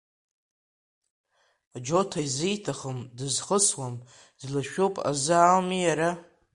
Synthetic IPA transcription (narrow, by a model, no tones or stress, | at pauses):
ad͡ʒo̞tʰajzijtʰaχəmdɨzχəswam | dlaʃᶣopʼa̰zɨːlmijaɾa